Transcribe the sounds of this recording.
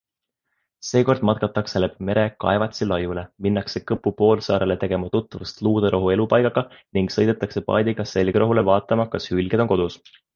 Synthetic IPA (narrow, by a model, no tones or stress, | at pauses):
se̞ːko̞rd̪̥mɑt̪̚kɑt̪ːˑɑkselepme̞ɾe̞kɑ̰e̞vɑt̪ʲsilɑjule̞minːɑkse̞kɤpːˑupo̞ːlsɑːɾele̞t̪e̞ɡ̥e̞mɑt̪ut̪ːɑvɑst̪luːd̪̥ɑɾʔo̞ɦue̞lupɑjkɑɡ̥ɑniŋɡsɤ̞jd̪e̞t̪ːˑɑkse̞pɑ̰ːd̪ʲiɡ̥ɑse̞lɡ̥ɾoɦule̞vɑːt̪ːˑɑmɑkɑshylɡ̥e̞d̪o̞ŋko̞d̪̥us